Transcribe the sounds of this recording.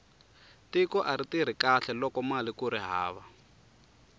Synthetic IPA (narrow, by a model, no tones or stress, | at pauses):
tikɔʔaɾitiɾ̤ikaɬɛlɔkɔmalikuɾiɦa̰ːβa